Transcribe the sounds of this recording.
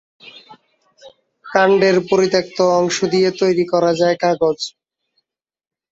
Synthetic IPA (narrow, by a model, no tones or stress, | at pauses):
kaɳɖeɾpoɾit̪ek̚t̪oɔŋʃod̪ijet̪ojɾikɔɾad͡ʑaekaɡod͡ʑ